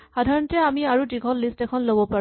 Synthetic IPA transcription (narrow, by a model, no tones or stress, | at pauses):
xadʱaɹɔntɛamiaɹudiɡʱɔllistɛkʰɔnlobɔpaɹ